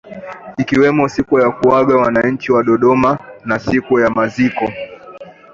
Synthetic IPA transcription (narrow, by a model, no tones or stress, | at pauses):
ikiwɛmɔsikujakuwaɠawanaɲ̩t͡ʃiwaɗɔɗɔmanasikujamazikɔ